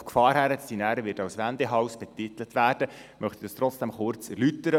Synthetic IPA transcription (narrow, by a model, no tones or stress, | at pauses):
kfɑːɾhæɾətsdinæːɾəʋɪtɑwsʋænd̪eɦɑʊsb̥ɛt̪it̪ələt̪ʋæːrd̥ə | mœχt̪id̥ɑst̪ɾɔtt͡ssd̥ɛmχʊrt͡sɛrlyt̪əɾə